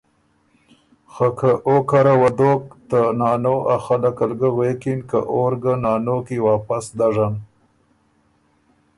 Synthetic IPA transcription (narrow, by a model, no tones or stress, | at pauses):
xakʰaʔokaɾawad̪oːk̚t̪anɑːnoʔaxalakalɡawekinkaʔoɾɡanɑːnokiwɑːpasd̪aʐan